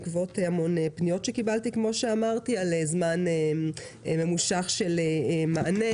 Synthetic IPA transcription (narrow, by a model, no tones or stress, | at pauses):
kvo̞tehamo̞nepnijo̞tʃe̞kibalt̪ikmo̞ʃeamaʁtialezmane | me̞muʃaχʃe̞lemaʔane